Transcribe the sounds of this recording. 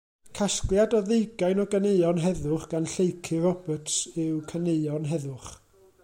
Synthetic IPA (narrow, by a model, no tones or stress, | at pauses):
kʰasklˠjadɔðejɡajnɔɡəneɨɔnɦɛðʊχɡ̥anɬejkʰɪrɔbətsɪwkʰəneɨɔnɦɛðʊχ